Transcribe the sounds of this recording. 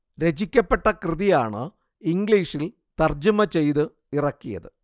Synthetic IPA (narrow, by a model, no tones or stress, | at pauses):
ɾe̞d͡ʑikʲːɐpːe̞ʈːɐkrɨðijaːɳɨ | iŋɡliːʂil | t̪ɐrd͡ʑumɐt͡ɕe̞jðɨ | irɐkːijɐ̰ðɨ